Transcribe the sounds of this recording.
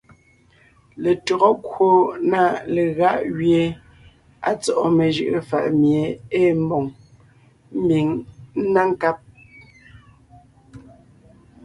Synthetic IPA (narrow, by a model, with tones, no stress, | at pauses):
le˨tɔ˨ɣɔ˦kwo˦na˦˨le˨ɣa˦ʔɣje˨ | a̰˨t͡sɔ˨ʔɔ˨me˨ʒɯ̰˨ʔə˨fa̰˨ʔmje˨˦eː˦˨m̩˦bɔ˨ŋ | m̩˦bi˨ŋn̩˦na˦ŋ˦ka˦p̚